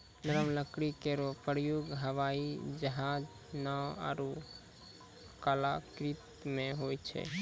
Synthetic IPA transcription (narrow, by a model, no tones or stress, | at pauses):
nəɾəmləkɾikeɾopɾjoɡɦəʋaid͡ʒəɦad͡ʒ | nəa̰ɾu | kalakɾit̪meɦojt͡ʃʰɛ̰